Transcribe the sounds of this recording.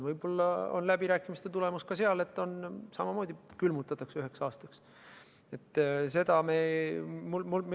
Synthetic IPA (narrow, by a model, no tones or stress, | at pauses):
vɤjbo̞lːɑo̰nlæbiɾæːkːˑimist̪e̞t̪ule̞muskɑse̞ɑle̞t̪ːo̞nsɑmɑmo̞ːd̪̥ikylmut̪ːˑɑt̪ːˑɑksyɦe̞ksɑːst̪ɑks | e̞t̪ːˑse̞d̪̥ɑmemulmulm